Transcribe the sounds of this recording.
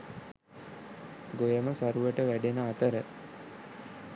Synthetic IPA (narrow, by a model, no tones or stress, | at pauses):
ɡojəməsaɾuʋəʈəʋæɖenəat̪əɾə